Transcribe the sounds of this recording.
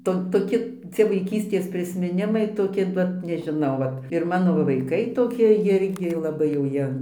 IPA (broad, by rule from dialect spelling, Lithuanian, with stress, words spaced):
ˈtoː toːˈkʲɪ ˈt͡sʲiɛ ʋɐɪˈkʲiːsʲtʲeːs pʲrʲɪsʲmʲɪˈnʲɪmɐɪ toːˈkʲɪ ˈʋɐt nʲɛʒʲɪˈnɐʊ ˈʋɐt ɪr ˈmɑːnoː ʋɐ ʋɐɪˈkɐɪ toːˈkʲɪ ˈjɪrʲɡʲɪ lˠɐˈbɐɪ jɛʊ ˈjiɛ